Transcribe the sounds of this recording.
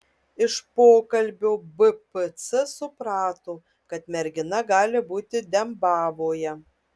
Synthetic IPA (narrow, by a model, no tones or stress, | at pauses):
ɪʃpoːkɐlʲbʲoːbɨpɨt̪sɨsʊpɾɑːt̪oː | kɐt̪mʲɛɾʲɡʲɪnɐɡɑːlʲɪbuːt̪ʲɪd̪ʲɛmbɑːʋoːjɛ